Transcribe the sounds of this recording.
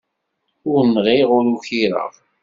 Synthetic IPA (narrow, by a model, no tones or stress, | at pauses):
ʊɾnʁiʁʊɾuçiɾə̰ʁ